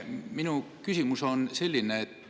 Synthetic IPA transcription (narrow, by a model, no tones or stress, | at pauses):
minu | kysimuso̞nse̞lʲːineːt̪ː